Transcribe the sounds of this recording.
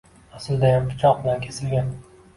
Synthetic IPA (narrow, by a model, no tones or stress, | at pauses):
asɪld̪ajampʰʊ̥t͡ʃʰɒq̚bɪlankʲʰesɪlɡʲan